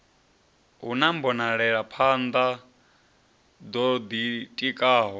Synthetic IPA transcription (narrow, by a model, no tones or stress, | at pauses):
ɦunambɔnaɺɛɺapʰand̪a | d̪ɔd̪itʼikʼaːɦɔ